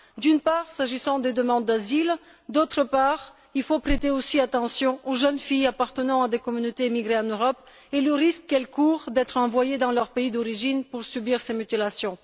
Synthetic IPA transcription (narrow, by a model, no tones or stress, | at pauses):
d̪ynpaʁsaʒisɑ̃d̪ed̪əmɑ̃d̪̚ːazil | d̪ot̪χəpaʁ | ilfopχet̪eosiat̪ɑ̃sjɔ̃ʔoʒənfijapaʁt̪ənɑ̃ad̪ekɔmynot̪emiɡʁeãnøʁɔp | ɛləʁiskːɛlkuʁd̪ɛt̪χɑ̃vwajed̪ɑ̃lœʁpeid̪ɔʁiʒinpuʁsybiʁsemyt̪ilasjɔ̃